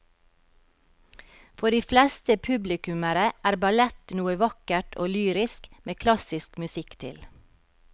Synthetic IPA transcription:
fɔɖiːflɛst̪əpʰʉblɪkʉməɾəʔæːɾbɑlɛt̪nuːəʋɑkəʈʰo̰ːlyːɾɪskmʔeːkʰlɑsɪskmʉsɪkt̪ʰɪ̰l

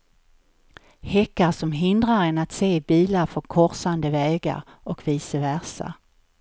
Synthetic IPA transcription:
hɛkːaɾsɔmɦɪnd̪ɾaɾɛnat̪seːbiːlaɾfɔɾkʰɔɾsand̪əvɛːɡa̰ɾ | ɔkviːsəvæɾsa̰

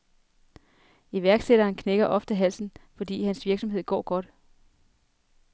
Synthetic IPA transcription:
iʋæɐɡ̥seɾ̥ɐːnkʰneɡ̥ɐʔɒ̽fd̥əɦæl̰sn̩fɒ̽d̥ḭːhænsʋiɐɡ̥sɒ̽mɦe̝ð̰ˠɡ̥ɒ̰ːɡ̥ɒ̽d̥

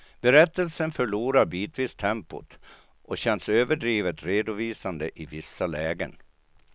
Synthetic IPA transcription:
b̥ɛɾɛt̪ːəlsənfœɭuːɾaɾbiːt̪viːst̪ʰɛmpʊ̰t̪ | ʔɔɕɛnsøːvəɖɾiːvət̪ɾeːd̪ʊviːsand̪əʔɪvɪsːalɛːɡə̰n

